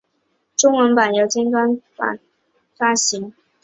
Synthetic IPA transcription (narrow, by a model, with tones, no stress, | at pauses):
ʈ͡ʂʊ˥ŋwə˧˥npa˨˩njo˧˥ʊt͡ɕjɛ˥nt̪wa˥nfa̰˥˩ | fa˥ɕi˧˥ŋ